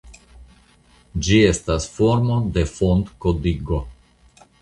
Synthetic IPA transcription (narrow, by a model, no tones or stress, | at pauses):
d͡ʒiest̪asfoɾmod̪efont̪kod̪iɡo